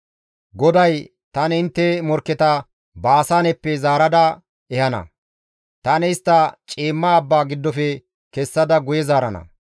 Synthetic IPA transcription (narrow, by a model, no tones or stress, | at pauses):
ɡɔd̪ɐj | t̪ɐnɛɪnt̪ːɛmɔɾkːɛt̪ɐ | baːsaːnɛpːɛzaːɾɐd̪ɐ | ɛhɐnɐ̰ | t̪ɐnɛɪst̪ːɐt͡ʃʼeːmːaːbːaːɡɪd̪ːɔfɛ | kɛsːɐd̪ɐɡʊjɛzaːɾɐnɐ̰